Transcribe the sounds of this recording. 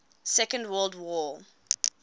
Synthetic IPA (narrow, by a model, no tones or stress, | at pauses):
sɛkə̃ndwɜːlˠdwɔ